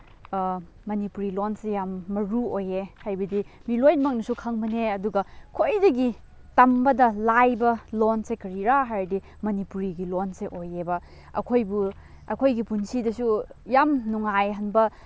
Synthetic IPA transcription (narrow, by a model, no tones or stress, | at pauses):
mɐnipuɾilonsejamːɐɾuojehajbɐdimilojnmɐk̚nɐsukʰaŋmɐneɐduɡɐkʰojdɐɡi | tɐmbɐdɐlajbɐlonsekɐɾiɾaɦajɾdi | mɐnipuɾiɡilonseʔojebɐ | ɐ̰kʰojbu | ɐkʰojɡipunsidɐsujamnuŋajɦɐnbɐ